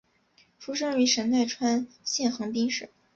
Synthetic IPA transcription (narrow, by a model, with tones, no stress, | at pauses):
ʈ͡ʂʰu˥ʂɤ˥ŋy˧˥ʂə˧˥nt̪a˥˩ɪʈ͡ʂʰwa˥n | ɕjɛ˥˩nxɤ˧˥ŋpi˥ŋʂɻ̩˥˩˦